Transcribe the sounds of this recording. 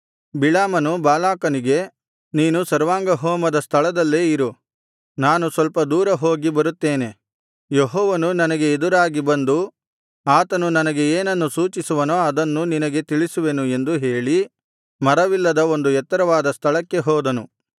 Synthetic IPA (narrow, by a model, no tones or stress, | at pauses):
bilaːmɐnubaːlaːkɐniɡe̞ | niːnusɐɾʋaːŋɡɐɦoːmɐd̪ɐst̪ʰɐɭɐd̪ɐlːeːiɾu | naːnusʋɐlpɐd̪uːɾɐɦo̞ːɡibɐɾut̪ːe̞ːne̞ | jeɦɔːʋɐnunɐnɐɡe̞ːd̪uɾaːɡibɐnd̪u | aːt̪ɐnunɐnɐɡe̞eːnɐnːusuːt͡ʃisuʋɐnoːɐd̪ɐnːuninɐɡe̞t̪iɭisuʋenue̞nd̪uɦe̞ːɭi | mɐɾɐʋilːɐd̪ɐo̞nd̪uɛt̪ːɐɾɐʋaːd̪ɐst̪ʰɐɭɐkːe̞ɦɔːd̪ɐnu